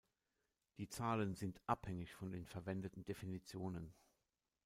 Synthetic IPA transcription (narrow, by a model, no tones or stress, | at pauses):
d̥iːt͡saːlənzɪntʔaphɛŋɪçfɔndeːnfɛɐvɛndətn̩definit͡sjoːnən